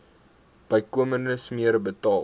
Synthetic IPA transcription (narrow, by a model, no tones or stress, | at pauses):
b̥əjkuəmərnəsmiəɾəbətɑː